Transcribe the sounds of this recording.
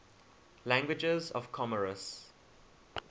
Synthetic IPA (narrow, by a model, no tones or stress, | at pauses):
læ̃ŋɡwɪd͡ʒəzɔ̰vkʰɔməɹəs